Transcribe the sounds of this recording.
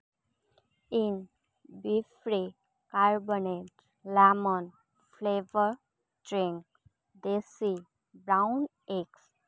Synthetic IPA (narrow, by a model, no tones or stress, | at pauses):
in | bifɾi | kaɾboneʈ | lɛmɔn | fleʋəɾ | ɖɾĩŋk̚ | d̪esi | bɾaʊn | eks